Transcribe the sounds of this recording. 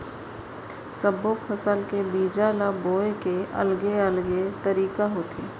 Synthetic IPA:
səboːkfʊsaːlkebiːd͡ʒaːlaboːekeʔɐ̰lɡeəlɡet̪ɐɾiːkaɦoːt̪ʰḛː

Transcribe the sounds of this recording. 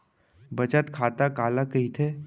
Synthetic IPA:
bɐt͡ʃət̪kʰaːt̪akaːlakɐɦit̪ʰe

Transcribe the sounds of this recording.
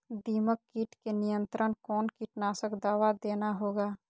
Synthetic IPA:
d̪iːməkːiːʈkenijə̃nt̪ɾənkɔːnkiːʈnaːsəkd̪aːʋad̪eːnaɦoːɡaː

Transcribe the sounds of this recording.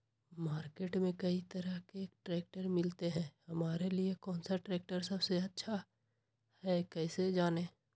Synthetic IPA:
maːɾkeːʈmẽkɐit̪ɐɾəɦkeeːk̚ʈɾeːk̚ʈəɾmɪlt̪eɦɛ̃ːhɐmaːɾeliekɔːnsaʈɾɛːk̚ʈəɾsɐbseɐtːʃʰa | hɛkɛːsed͡ʒaːneː

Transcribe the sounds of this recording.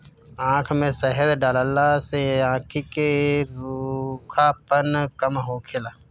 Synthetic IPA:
ãːkʰmẽsəɦəɾɖaːləlaseãːkʰikeɾukʰapənkəmɦoːkʰeːlaː

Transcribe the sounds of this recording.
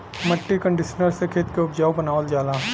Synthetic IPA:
mɐʈːikə̃ɳɖɪʃənəɾsekʰeːt̪keʊpd͡ʒaːubɐnaːʋəld͡ʒaːlaː

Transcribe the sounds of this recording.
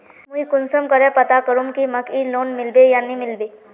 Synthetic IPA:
mʊikʊnsəmkəɾepɐt̪akəɾũmkimɐkiloːnmɪlbejanĩmɪlbeː

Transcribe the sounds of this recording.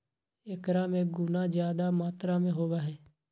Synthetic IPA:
ɪkɾãːmẽːɡʊnãːd͡ʒjaːd̪aːmaːt̪ɾãːmẽːɦoːʋaːɦɛː

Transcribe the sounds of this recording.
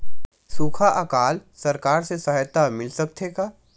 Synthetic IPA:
suːkʰaʔɐkaːlsɐɾkaːɾsesɐɦjt̪ːamɪlsɐk̚t̪ʰekaː

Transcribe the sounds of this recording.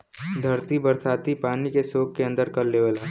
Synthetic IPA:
d̪ʱɐɾt̪ibɐɾt̪ʰaːt̪ipaːnikesoːkkːeɐ̃nd̪əɾkɐɾːeʋəla

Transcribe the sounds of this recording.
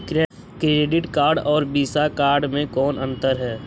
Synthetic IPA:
k | kɾeːɖɪʈkaːɾɖɔːɾbiːsakaːɾɖmẽkɔːnə̃nt̪əɾɦɛː

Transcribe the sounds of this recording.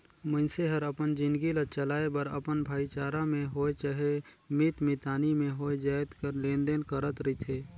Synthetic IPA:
mənseɦəɾəpənd͡ʒɪ̃nd̪ɡilət͡ʃəlaːebəɾə̰pənbʱaːit͡ʃaːɾamẽɦoːet͡ʃəɦe | mɪt̪mɪt̪aːnimẽɦoːed͡ʒaːjt̪kəɾlẽːnd̪enkəɾət̪ɾit̪ʰeː

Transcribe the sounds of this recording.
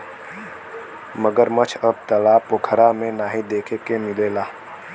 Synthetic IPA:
məɡəɾmət͡ʃʰəb̚t̪əlaːpokʰəɾamẽnaːɦid̪eːkʰekemɪleːlaː

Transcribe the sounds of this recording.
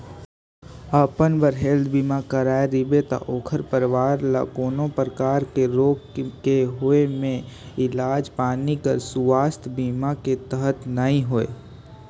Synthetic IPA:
əːpənbəɾɦeld̪biːmakəɾaːeɾibet̪a̰ʔoːkʰəɾpəɾʋaːɾla̰koːnõpɾəkaːɾkeɾoːɡkeɦoemẽ | ɪlaːd͡ʒpaːnikəɾsuʋaːst̪ʰbiːmaket̪əɦət̪nəɦĩɦoḛː

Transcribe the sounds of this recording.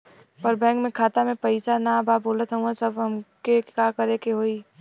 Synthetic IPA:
pəɾbɛ̃ːkmẽkʰaːt̪amẽpəɪsanabaːboːlət̪ɦəɦũasəbɦɐmkekakəɾekeɦoːi

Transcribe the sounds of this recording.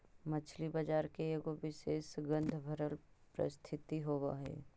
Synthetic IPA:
mɐt͡ʃʰlibɐd͡ʒaːɾkeeɡoʋɪʃeːsɡə̃nd̪ʱbʱəɾəlpɾə̰st̪ʰɪt̪iɦoːwa̰ɦɛ̰ː

